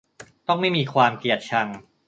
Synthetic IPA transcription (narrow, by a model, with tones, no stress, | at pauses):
t̪ɔ˥˩ŋma˥˩jmiː˧kʰwaː˧mki˨˩ət̪̚t͡ɕʰa˧ŋ